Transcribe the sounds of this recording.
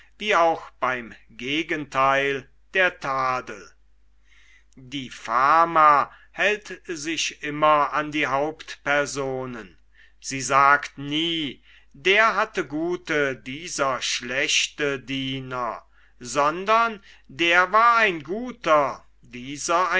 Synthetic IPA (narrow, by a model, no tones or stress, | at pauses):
viːaʊxb̥aɪm | ɡeːɡəntʰaɪl | d̥eːɐtʰaːdəl | diːfaɐma | hɛltzɪçʔɪmɐandiːɦaʊptpɛɐzoːnən | z̥iːzaːktniː | deːɐɦatəɡuːtədiːzɐʃlɛçtədiːnɐ | zɔndɐn | deːɐvaːɐaɪnɡuːtɐ | diːzɐa